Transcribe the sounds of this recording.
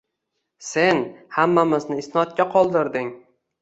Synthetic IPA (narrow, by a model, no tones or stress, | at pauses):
se̞nhamːamɪznɪːsnɒt̪̚kʲaqʰɒlˠd̪ɪɾd̪ɪŋ